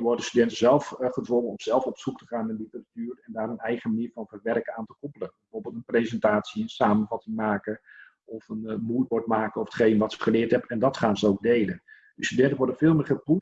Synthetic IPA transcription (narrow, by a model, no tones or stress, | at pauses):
ʋɔɹdənstydɛntəzɛlˠfχətʋɔŋənɔmz̥ɛlˠfɔpsuk̚təχaːnənlitəratyːrɛndaːɾənɛjχəmaniːɹvɑnvərʋɛrkəaːntəkɔpələnbɛjvʊːrbɪːlˠtənprejzɛntaːtsiənsaːmənvɑtɪŋmaːkə | ɔfənmujtʋɔɹtmaːkəɔfətχejnəʋɑtsɪ̥kχəlɪːɹtɛpɛndɑtχaːnzəowɡ̚dejlən | d̥əstydɛntənʋɔɹdəvɪːlˠmɪːrχəpu